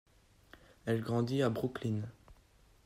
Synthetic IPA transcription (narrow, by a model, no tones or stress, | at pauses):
ɛlɡʁɑ̃d̪iabʁuklin